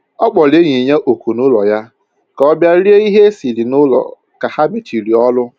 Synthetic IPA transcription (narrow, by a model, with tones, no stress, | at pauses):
ɔ˦k͡pɔ˨le˦ɲi˨ɲe˦ʔo˨ku˨nʊ˦lɔ˨ja˦ | ka˨ɔ˦bja˦ɾi˦e˦i˦ɦe˦si˨li˨nʊ˦lɔ̰˨ | ka˨ha˦bi˦t͡ʃi˨ɾi˨ɔ˦lʊ˦